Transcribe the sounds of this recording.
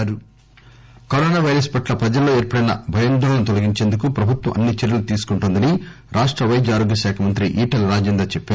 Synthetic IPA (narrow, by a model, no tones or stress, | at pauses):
ɾu | koɾɔːnaːʋɐjɾɐspɐʈlɐpɾɐd͡ʒɐlːo̞ːeːɾpɐɽɐjnɐ̰bʱɐjɐnd̪ɐːɾɐnut̪olɐɡiɲt͡ʃeːnd̪ukupɾɐbʱut̪wʋɐ̰mʔɐnːit͡ʃeɾjulut̪iːsu̥kuɳʈund̪ɐni | ɾʔaːʂʈɾɐʋɐjd͡ʒaːɾoːɡjɐʃaːkʰɐmɐnt̪ɾiʔiːʈɐlɾaːd͡ʒeːnd̪ɾaːt͡ʃɛpːaː